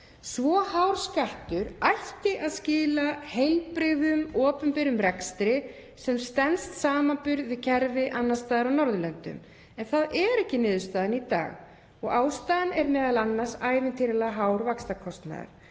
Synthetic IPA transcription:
svɔːhawɾ̥skaht̪ʏɾajhcɪʔaðscɪːlahejlpɾɪɣɣʏmɔːpʏmpɛɾʏmrɛkst̪ɾɪ | sɛmst̪ɛnst̪saːmampʏɾðvɪðcʰɛɾvɪʔanːast̪aːðɪɾawnɔɾðʏlœnt̪ʏ̰m | ɛnθaðɛɾɛhcɪnɪːðʏst̪aːðanit̪a̰ːɣ | ɔɣaːwst̪aːðanɛɾmɛːðalanːaɾ̥saːjvɪnt̪ʰɪɾɪlaɦaːwɾvakst̪akʰɔst̪na̰ða̰ɾ̥

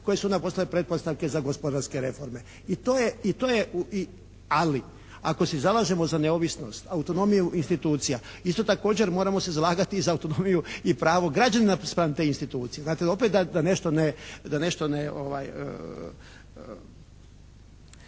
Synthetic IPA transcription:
ko̞jesuond̪aposlalepɾe̞t̪̚po̞st̪aʋke̞zaɡospod̪aɾske̞ɾe̞fo̞ɾme̞ | it̪oːjeit̪oːjeui | ali | ako̞sezalˠaʒemo̞zane̞oʋisno̞st̪aut̪o̞no̞mijuʔinst̪it̪uːt̪sijaist̪o̞t̪ako̞ːd͡ʑe̞ɾmo̞ːɾamo̞sezalˠaːɡat̪iːzaut̪o̞nomijuipɾaːʋo̞ɡɾad͡ʑaninaspɾant̪einst̪it̪uːt̪sijeznaːt̪eo̞pet̪d̪ad̪ane̞ʃt̪o̞ned̪ane̞ʃt̪o̞neo̰ʋa̰jə̰

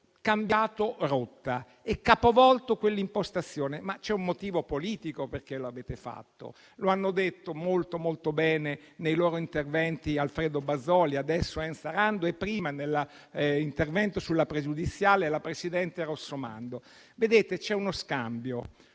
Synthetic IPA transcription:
kambjaːt̪orot̪ːa | ɛkːaːpovɔlt̪okwelːimpost̪at̪sːjoːnemat͡ʃɛumːot̪iːvopoliːt̪ikoperk̟eloaveːt̪efa̰t̪ːo̰ | loanːod̪et̪ːomolt̪omolt̪obɛːnenejloːɾoint̪ervɛnt̪ialfɾeːd̪obazːɔːliad̪ɛsːoɛnsaɾand̪oepːɾiːmanelːa | int̪ervɛnt̪osulːapɾed͡ʒud̪it̪sːjaːlelapɾesid̪ɛnt̪erosːoma̰nd̪o | ved̪eːt̪et͡ʃɛunoskambjo

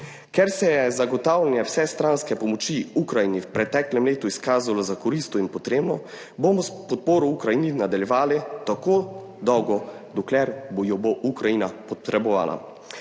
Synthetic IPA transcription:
kɛɾsɛjɛzaɡɔt̪aːwlʲɛnjɛwsɛst̪ɾanskɛpɔmɔt͡ʃiukɾajiniwpɾɛt̪ɛklɛmleːt̪uiskaːzalazakɔɾist̪ɔimpɔt̪ɾeːbnɔ | bomɔspɔt̪̚poːɾɔukɾajininad̪aljɛʋaːlit̪ako | d̪ɔwɡɔ | d̪ɔklɛɾbojɔboʔukɾajinapɔt̪ɾɛbɔʋa̰ːla̰

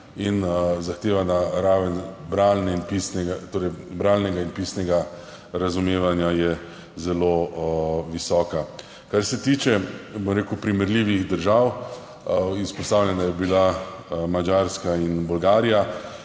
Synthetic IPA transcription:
inzaxt̪eːʋanaɾaːʋənbɾaːlnɛinpisnɛɡat̪oːɾɛjbɾaːlnɛɡainpiːsnɛɡa | ɾazumeːʋanjajɛ | zɛlo | ʋisɔːka | kaɾsɛt̪iːt͡ʃɛbomɾeːkʊpɾimɛɾliʋixd̪əɾʒaw | ispɔst̪aːwlʲɛnajɛbilamad͡ʒaːɾskainbʊlɡaːɾija

